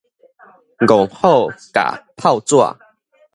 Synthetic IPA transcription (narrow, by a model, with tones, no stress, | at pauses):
ɡɔ˨˩ŋho˥˨ka̰˨˩pʰa˥˧ʊt͡swa̰˥˧˨